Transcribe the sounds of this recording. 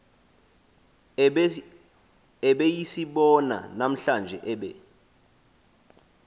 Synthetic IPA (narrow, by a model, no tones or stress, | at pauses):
ɛɓejisiɓɔna̰nam̩ɬand͡ʒʱɛʔɛɓɛ̰